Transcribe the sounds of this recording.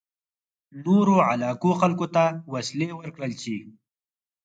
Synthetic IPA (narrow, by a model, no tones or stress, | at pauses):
noɾoʕalɑːkoxalkot̪awaslewəɾkɽəlt͡ʃi